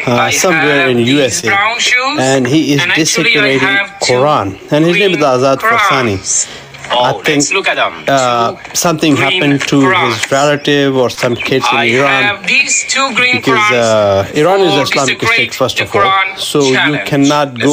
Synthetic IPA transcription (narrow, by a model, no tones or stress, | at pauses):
sʌ̃mweːɾɪ̃njuːɛse | ɛ̃nɦiːɪzdɪsɪpəɾeʈɪ̃ŋkʰɔɾãːnɛ̃nhɪznẽːmɪzəaːzaːd̪fɔsani | aɪt̪ʰɪ̃ŋk | sʌ̃mt̪ʰɪ̃ŋɦæpə̃nʈʰuɦɪzɾɛləʈɪvɔɾsʌ̃mkʰɪdsɪ̃niɾãːn | bɪkɔziɾãːnɪzəɪslaːmɪksteːʈfəɾstɔfɔːlsoːjukʰɛnaʈ̚ɡo